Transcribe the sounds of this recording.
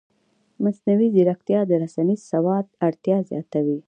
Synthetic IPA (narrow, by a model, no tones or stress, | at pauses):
masnawizɪɾakt̪jɑd̪əɾasanizsawɑd̪̚aɽt̪jɑzjɑ̰t̪awi